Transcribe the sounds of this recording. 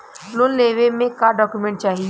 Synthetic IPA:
lʊnleːʋemẽkaɖɔːkjumɛ̃ːɳʈ̚t͡ʃaːɦi

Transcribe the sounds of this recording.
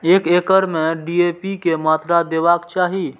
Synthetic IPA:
ekekəɾmeɖiepikemat̪ɾad̪ebakt͡ʃaɦi

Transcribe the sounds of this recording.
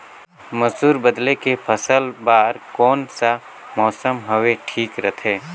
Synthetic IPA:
məsuːɾbəd̪lekepʰəsəlbaːɾkɔːnsa | mɔːsəmɦəweʈʰiːkɾɐt̪ʰeː

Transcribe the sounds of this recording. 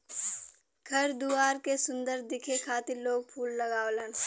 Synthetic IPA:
ɡʰʱɐɾd̪uaːɾkesʊ̃nd̪əɾd̪ɪkʰekʰaːt̪ɪɾloːɡ̚pʰuːlːɐɡaːolən

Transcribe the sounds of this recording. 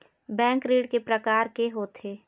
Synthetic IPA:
bɛ̃ːŋkɾiːɽkepɾəkaːɾkeɦoːt̪ʰeː

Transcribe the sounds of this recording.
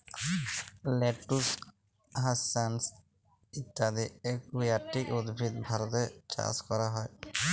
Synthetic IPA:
leʈːus | ɦasans | it̪ːad̪iekujaʈːikud̪bʱit̪̚bʱaɾɔt̪et͡ʃa̰skɔɾaɦɔe

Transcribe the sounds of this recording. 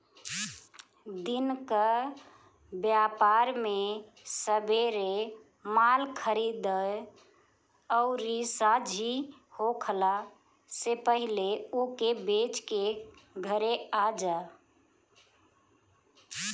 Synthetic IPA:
d̪inkə | bjapaɾme | səbeɾe | malkʰəɾid̪ə | ɔʊɾisad͡ʒʱi | hokʰəla | sepəɦileokebet͡ʃkeɡʱəɾead͡ʒa

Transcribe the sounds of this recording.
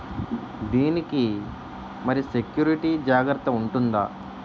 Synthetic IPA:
d̪iːniki | mɐɾisekjuːɾiʈid͡ʒaːɡɾɐt̪ːɐuɳʈund̪aː

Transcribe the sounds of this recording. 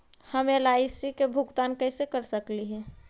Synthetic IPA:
həmelaːɪsɾikebʱʊɡt̪aːnkəsekəɾsəkliɦɛː

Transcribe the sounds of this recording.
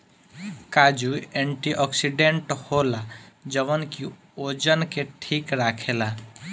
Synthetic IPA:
kaːd͡ʒuẽɳʈiʔɔːksiɖẽɳʈhoːlad͡ʒəʋənki | oːd͡ʒənkeʈʰiːkɾaːkʰeːlaː

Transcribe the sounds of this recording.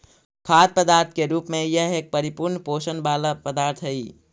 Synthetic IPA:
kʰaːd̪̚pəd̪aːɾt̪ʰkeɾuːpmẽjəɦeːk̚pəɾipuɾnposənbaləpəd̪aɾt̪ʰɦəi

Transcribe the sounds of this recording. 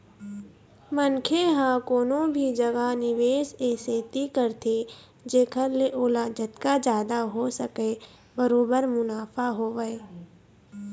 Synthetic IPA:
mənkʰeɦãkoːnõbʱid͡ʒəɡanɪʋeːʃeːseːt̪ikəɾt̪ʰe | d͡ʒeːkʰəɾleʔoːlaːd͡ʒət̪kad͡ʒjaːd̪aɦosəke | bəɾoːbəɾmʊnaːfaɦoːʋəe

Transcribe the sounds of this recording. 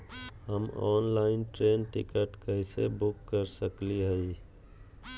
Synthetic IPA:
ɦəmɔːnlaɪnʈɾeːnʈɪ̰kəʈkəɦisḛbʊkːəɾsəkliɦəi

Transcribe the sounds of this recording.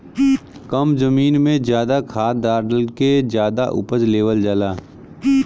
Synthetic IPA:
kəmzəmiːnmẽzjaːd̪akʰaːd̪aːɾlked͡ʒjaːd̪aʔʊ̰pəd͡ʒleːʋəld͡ʒalaː

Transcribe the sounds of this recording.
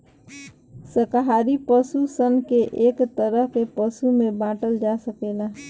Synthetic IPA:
səkɦaːɾipəsusənkeʔeːkt̪əɾəpepəsumẽbãːʈəld͡ʒaːsəkeːna

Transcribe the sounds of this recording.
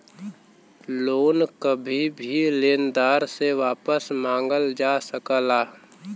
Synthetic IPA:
loːnkəbʱibʱileːnd̪aːɾseʋaːpəsmãːŋɡəld͡ʒaːsəkəlaː

